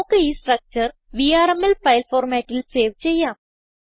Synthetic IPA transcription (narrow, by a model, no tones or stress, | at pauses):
kəisʈɾək̚t͡ɕəɾʋiːaːɾemelfajlfoːɾmɛʈilseːʋt͡ɕejaː